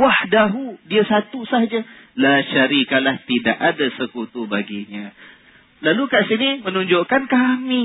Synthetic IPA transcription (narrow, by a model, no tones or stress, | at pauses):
wahdaɦudiasat̪usaɦad͡ʒalaʃaɾikalaht̪idaʔadasəkut̪ubaɡiɲã | lalukaʔsinimənuɲd͡ʒoʔkankami